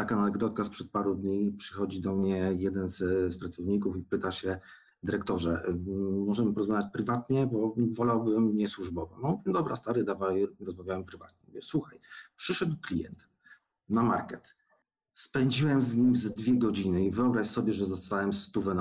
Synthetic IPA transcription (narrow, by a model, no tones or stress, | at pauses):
t̪akananɛɡd̪ɔt̪kaspʂɛt̪̚paɾɛd̪ɲipʂɘ̥xɔd͡ʑid̪ɔmɲɛjɛd̪ɛnzspɾat̪sɔvɲikufipɘt̪aɕɛ | d̪ɘɾɛkt̪ɔʐɛː | ɔʐɛmɘpɔɾɔzmavʲjat͡ɕpɾɘvat̪ɲɛbɔvɔlawbɘmɲɛswuʐbɔvɔmamuvʲjɛd̪ɔbɾa̰st̪aɾɘd̪avawɾɔzmavʲjawɛmpɾɘva̰t̪ɲɛmṵvʲjɛswuxajpʂɘʂɛd̪wklʲijɛ̰nt̪ | nama̰ɾkɛt̪ | spɛɲd͡ʑiwɛmzɲimzd̪vʲjɛɡɔd͡ʑinɘivɘɔbɾaɕsɔbʲjɛʐɛzɔst̪awɛmst̪uvɛn